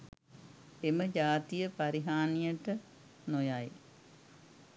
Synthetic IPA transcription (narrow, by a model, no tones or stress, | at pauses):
eməd͡ʒaːt̪ijəpaɾiɦaːnijəʈə | nojaj